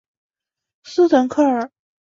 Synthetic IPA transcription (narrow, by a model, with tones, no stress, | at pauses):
s̩˥t̪ʰə˧˥nkʰɤ˥˩ə˨˩